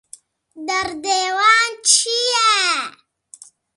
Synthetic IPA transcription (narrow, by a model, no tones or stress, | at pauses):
d̪aɾd̪eːwɑːnt͡ʃʰija